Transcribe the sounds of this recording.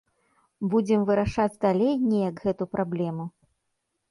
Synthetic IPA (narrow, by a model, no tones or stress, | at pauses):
bud͡zʲɛmvɨɾaʂad͡zʲd̪alʲejnʲɛjɐɡɣɛt̪upɾʔablʲɛmu